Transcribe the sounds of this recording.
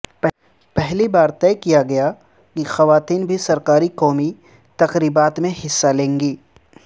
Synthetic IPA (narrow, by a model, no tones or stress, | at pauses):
pɛɦlibaːɾt̪ɛːkijaɡɐja | kixɐʋaːt̪iːnbʱisɐɾkaːɾikɔːmi | t̪ɐqɾiːbaːt̪mẽhɪsːalẽːŋɡiː